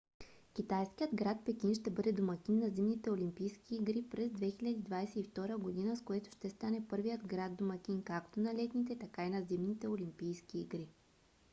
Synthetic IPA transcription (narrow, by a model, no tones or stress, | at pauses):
k̟ʲit̪ajskijəd̪ɡɾat̪̚pɛk̟inʃt̪ɛbɤd̪ɛd̪omɐk̟ʲinːɐzimnit̪ɛolʲimpijskʲiːɡɾipɾɛzd̪vɛxilʲɐd̪id̪vajsɛift̪ɔɾəɡod̪inəskoɛt̪ʊ̥ʃt̪ɛst̪anɛpɤɾvijəd̪ɡɾad̪d̪omɐkʲinkakt̪onɐlɛt̪nit̪ɛt̪ɐkainɐzimnit̪ɛolimpijskʲiːɡɾi